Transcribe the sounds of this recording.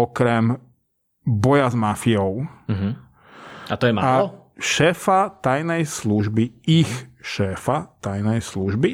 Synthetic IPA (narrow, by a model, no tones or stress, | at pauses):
ɔkɾɛm | bɔjazmafiɔʊɦ | at̪ɔjɛma̰aɔ | ʃɛːfat̪ajnɛjsluʒbiixʃɛːfat̪ajnɛjsluʒbi